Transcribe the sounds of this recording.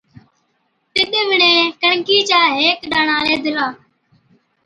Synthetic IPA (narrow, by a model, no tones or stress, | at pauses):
t̪ɪɗeʋɪɳẽːkəɳkiːt͡ʃaːɦeːkɗaːɳaːleːd̪ʱɪlaː